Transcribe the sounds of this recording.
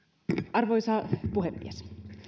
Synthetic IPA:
ʔɑrʋojsɑpuhemːḭes

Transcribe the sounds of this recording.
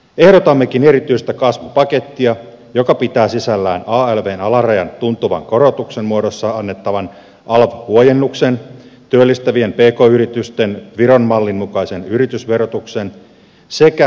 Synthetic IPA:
e̞hɾot̪ɑmːekine̞ɾit̪yist̪ækɑsʋupɑke̞t̪ːiɑ | jo̞kɑpit̪æːsisælːæ̰ːnɑːelʋeːnɑlɑrɑjɑ̰nt̪unt̪uʋɑ̰ŋko̞ɾot̪uksenmuodosːɑɑnːe̞t̪ːɑʋɑn | ʔɑlʋhuojenːuksent̪yølːist̪æʋiempe̞ːko̞ːyɾit̪yst̪e̞nʋiɾo̞nmɑlːinmukɑisenyɾit̪ysʋe̞rot̪uksen | sekæ

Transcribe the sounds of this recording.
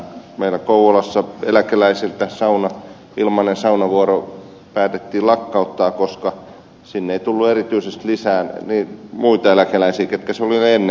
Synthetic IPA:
meilækouwolɑsːɑḛlækelæisilt̪æsɑunɑ | ilmɑnensɑunɑʋuoro | pæːt̪et̪ːiːlɑkːɑut̪ːɑːkoskɑ | sinːeit̪ulːuerit̪yisest̪lisæːnniːmuit̪ɑelækelæisiːket̪kæsolinenːe

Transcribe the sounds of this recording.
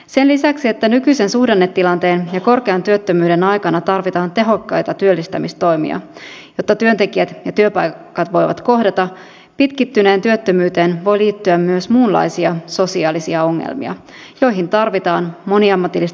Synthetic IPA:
se̞nlisæksiet̪ːænykyjsensuhdenːet̪ːilɑnt̪e̞ːnjɑko̞rkeɑnt̪yøt̪ːømyːɾe̞nɑjkɑnɑt̪ɑrʋit̪ɑːnt̪e̞ɦo̞kːɑjt̪ɑt̪yølːist̪æmist̪o̞jmḭɑ̰ | jo̞t̪ːɑt̪yønt̪e̞kiæt̪jɑt̪yøpɑjkɑt̪ʋo̞jʋɑ̰t̪ko̞hdɑt̪ɑ | pit̪kit̪ːyne̞ːnt̪yøt̪ːømyːt̪eːnʋo̞jliːt̪ːyæmːyøsmuːnlɑ̰jsiɑso̞siɑːlisiɑo̞ŋːḛlmḭɑ̰ | jo̞jɦint̪ɑrʋit̪ɑːnmo̞niɑmːɑt̪ilːis

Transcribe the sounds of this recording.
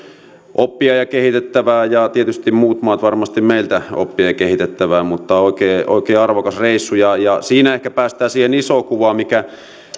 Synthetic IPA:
ʔopːiɑjɑkehit̪et̪ːæʋæːjɑt̪iet̪yst̪immuːt̪mɑːt̪ʋɑrmɑst̪immeˑilt̪æo̰pːiɑjɑkehit̪et̪ːæʋæːmut̪ːɑoˑikeːo̰ˑikeːɑrʋokɑsreˑisːujɑjɑsiːnæehkæpæːst̪æːsiːhenisokuʋɑmikæ

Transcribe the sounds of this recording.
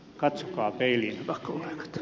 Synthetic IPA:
kɑt̪sokɑːpeilinɑkːoɑikɑ̥t̪

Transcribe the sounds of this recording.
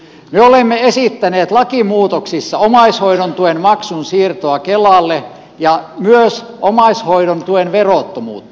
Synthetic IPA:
myøolemːeesit̪ːæneːt̪lɑkimuːt̪oksisːɑomɑishoiɾont̪uenmɑksunsiːrt̪oɑkelɑˑlːe | jɑmyøs | ʔomɑishoidont̪uenʋeroˑt̪ːomṵːt̪ː

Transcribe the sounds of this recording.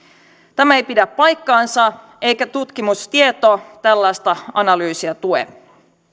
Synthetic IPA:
t̪æmæe̞jpidæpːɑjkːɑːnsɑ | e̞jkæt̪ut̪k̟imust̪iet̪ot̪ælːɑjst̪ɑɑnɑlyːsiɑt̪uḛ

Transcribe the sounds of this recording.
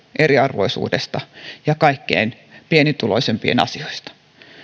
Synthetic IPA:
ʔeriɑrʋoisṵːdest̪ɑjɑkɑikːḛin | pienit̪ulo̞isempiḛnɑ̰sioist̪ɑ̥

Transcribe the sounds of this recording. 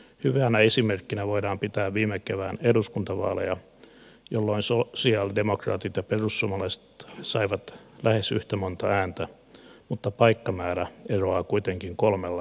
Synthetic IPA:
hyʋeænæesimerkːinæʋoiɾɑːmpit̪æːʋʋiːmːekeʋæːneduskunt̪ɑʋɑ̰ːlḛjɑ | jolːoinsosiɑldemokrɑ̰ːt̪it̪jɑperusːuomɑlɑise̥t̪sɑiʋɑt̪lʔæhesy̰ht̪æmont̪ɑæːnt̪æ | mut̪ːɑpɑikːɑmæːɾæeroɑːkuit̪eŋkiŋkolmelːɑ

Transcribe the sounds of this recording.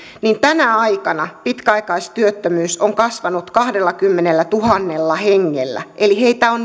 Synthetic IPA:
niːnt̪ænæɑikɑnɑpit̪kæɑikɑist̪yøt̪ːømyːsoŋkɑsʋɑnut̪kɑhdelːɑkymːenelːæt̪uhɑnːelːɑheŋːḛlːæ̰ʔeliheit̪æon

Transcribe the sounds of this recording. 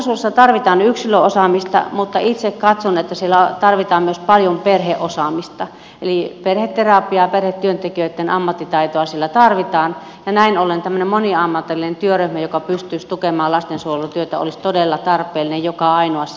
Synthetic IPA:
suesːɑt̪ɑrʋit̪ɑːnyksiløʔosɑmist̪ɑ̰mut̪ːɑit̪sekkɑt̪sonet̪ːæsielːæt̪ɑrʋit̪ɑːmmyøspɑljomperheʔosɑˑmist̪ɑ | eliperhet̪t̪ːerɑpiɑperhet̪t̪yønt̪ekiøit̪ːenɑmːɑt̪ːit̪ɑit̪oɑsielːæt̪ɑrʋit̪ɑːn | jɑnæinolent̪æmːø̆nemmoniɑmːɑt̪elːinent̪yøryhmæjokɑpyst̪yist̪ukemɑːllɑst̪ensuojelut̪yøt̪æ̰o̰list̪odelːɑt̪ɑrpˑeːlːinejjokɑɑinoɑs

